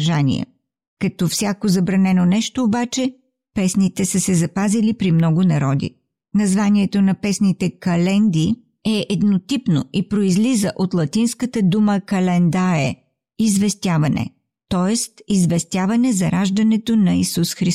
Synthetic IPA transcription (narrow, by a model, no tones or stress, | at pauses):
ʒanḭə̰ | kɐt̪ɔfsʲjakozɐbɾɐnɛnonɛʃt̪oːbat͡ʃɛ | pɛsnit̪ɛsəsɛzɐpazilipɾimnɔɡʊnɐɾɔd̪ḭ | nɐzvaniɛt̪onɐpɛsnit̪ɛkɐlɛnd̪i | ɛʔɛd̪not̪ipnoipɾoizlizəʔot̪lˠɐt̪inskət̪əd̪uməkɐlɛnd̪aɾɛ̰ | izvɛst̪javɐnɛ̰ | t̪ɔɛst̪izvɛst̪ʲjavɐnɛzɐɾaʒd̪ɐnɛt̪onɐisusxɾi